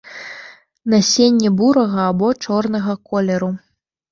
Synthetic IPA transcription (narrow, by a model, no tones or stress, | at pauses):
nɐsʲenʲːɛbuɾɐɣɐːbɔt͡ʂɔrnɐɣɐkɔlʲɛɾu